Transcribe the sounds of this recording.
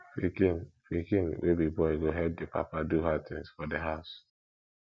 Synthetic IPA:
fikfikĩnwʔebibɔɪɡoɦɛd̚dɪpa̰paduɦat̪ɪ̃ŋsfɔdeɦaʊs

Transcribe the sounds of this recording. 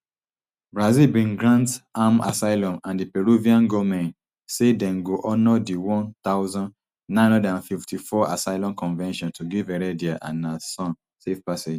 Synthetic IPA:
bɹazilbĩnɡɹãntama̰saɪlɔ̃nãndipɛɹuviãnɡɔmɛ̃n | sedɛ̃nɡoʔɔnɔdiwɔ̃nt̪aʊzɔ̃nː | ãɪ̃ñɔdãnfiftifɔa̰saɪlɔ̃nkɔ̃nvɛ̃nʃɔ̃ntʰuɡivɛɹɛdiaʔã̰nasɔ̃n | sefpased͡ʒ

